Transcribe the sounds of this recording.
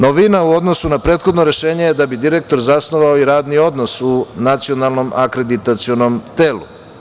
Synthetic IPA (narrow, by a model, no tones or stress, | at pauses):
noʋinauo̞d̪no̞sunapɾet̪xo̞d̪noɾe̞ʃe̞ːɲejed̪abid̪iɾek̚t̪o̞ɾzasno̞ʋaoiɾaːd̪nio̞d̪no̞sunat̪sio̞nalˠno̞mʔakɾe̞d̪it̪at̪sio̞no̞mt̪eːlṵ